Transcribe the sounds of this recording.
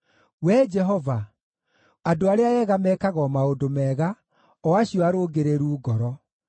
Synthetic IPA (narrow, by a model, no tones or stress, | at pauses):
wɛd͡ʒɛɦɔva | adoaɾeaɛɣamɛkaɣɔmaodomɛːɣa | ɔaɕiɔaɾoːɡeɾeɾuːɡɔɾɔ